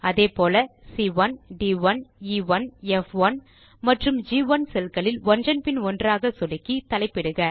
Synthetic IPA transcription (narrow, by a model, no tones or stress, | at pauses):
ɐðeːpoːlɐsiːʋɐnɖiːʋɐniʋɐnɛfʋɐn | mɐʈrɯmd͡ʒiːʋɐnsɛlkɐɭɪlʋɔnrɐnpɪnɔndraːɣɐsɔɽɪkːit̪ɐlɐɪpːɪɽɯɣɐ